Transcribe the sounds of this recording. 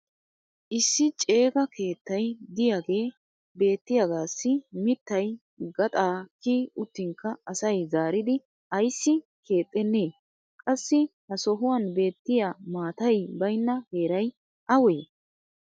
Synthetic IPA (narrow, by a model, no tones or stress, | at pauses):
ʔɪsːɪt͡ʃʼe̞ːɡɐkʰe̞ːt̪ːɐjd̪ɪjaːɡe̞ː | be̞ːt̪ːɪjaɡaːsːɪmɪt̪ːɐj | ɡɐt̪ʼaːkːiːʊt̪ːɪŋkːɐɐsɐjzaːɾɪd̪ɪ | ʔɐjsːɪkʰe̞ːt̪ʼːɛnːeː | kʼɐsːɪhɐsɔɦʊwɐnbe̞ːt̪ːɪjaːmaːt̪ɐjbɐjnːɐhe̞ːɾɐj | ʔɐweː